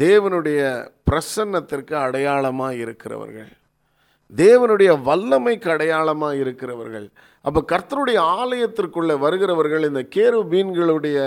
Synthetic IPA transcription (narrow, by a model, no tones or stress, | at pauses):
d̪eːʋɐnɯɽɐjɐpɪɾɐsɐnːɐt̪ːɪrkɯɐɽɐjaːɭɐmaːɪɾɯkːɪrɐ̰ʋɐ̰ɾɣɐ̰ɭ | d̪eːʋɐnɯɽɐjɐʋɐlːɐmɐɪkːɯɐɽɐjaːlɐmaːɪɾɯkːɪrɐʋɐ̰ɾɣɐ̰ɭ | ʔɐpːɐːkɐɾt̪ɐɾɯɽɐjɐaːlɐjɐt̪ːɪrkːɯɭːɐʋɐɾɯɣɪɾɐʋɐɾɣɐɭɪnd̪ɐkeːɾʋɯbiːnɡɐɭɯɽɐjɐ